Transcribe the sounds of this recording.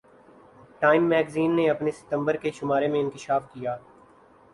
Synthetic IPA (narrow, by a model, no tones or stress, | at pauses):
ʈaːɪmːɛːɡziːnːeɐpnesɪ̥t̪ə̃mbəɾkeʃʊmaːɾemẽɪ̃nkɪʃaːfkijaː